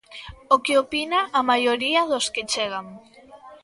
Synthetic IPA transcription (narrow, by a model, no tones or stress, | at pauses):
okeopinaʔːmajoɾiaðosket͡ʃeɣ̞aŋ